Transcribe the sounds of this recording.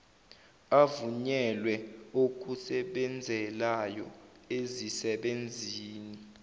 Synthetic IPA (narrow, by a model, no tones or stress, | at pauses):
avuɲɛlwɛok̬ʼusɛɓɛnd͡zʱɛlajɔezisɛɓend͡zʱiːni